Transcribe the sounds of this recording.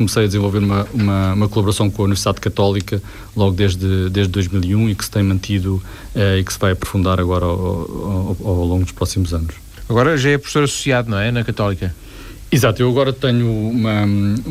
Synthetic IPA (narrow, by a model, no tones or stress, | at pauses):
kumsɐjɐd̪zẽvolˠveɾumɐumɐumɐkulˠɐβuɾɐsɐ̃w̃kõɐunivɾsiðaðkɐt̪ɔlˠikɐ | lˠɔɣud̪eʒðɨd̪eʒd̪d̪ːojʒmilˠiũiksɨ̥t̪ɐ̃j̃mɐ̃nt̪ʰiðu | ɛiksɨvajɐpɾu̥fũnd̪aɾɐɣɔɾɐ̰ | lˠõŋɡud̪uʃpɾɔsimuzɐnuʃ | ɐɣɔɾɐʒaɛpɾu̥fsoɾɐsu̥siaðunɐ̃w̃ɛnɐkɐt̪ɔlˠikɐ | izat̪uewɐɣɔɾɐt̪ɛɲuumɐ